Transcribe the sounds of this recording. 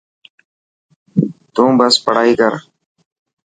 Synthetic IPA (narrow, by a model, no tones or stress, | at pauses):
t̪ũːbəspəɽaːiːkəɾ